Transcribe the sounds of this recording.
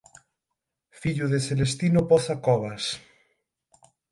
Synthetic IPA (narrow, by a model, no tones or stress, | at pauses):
fiʎuðeθelest̪inopɔθakɔβ̞as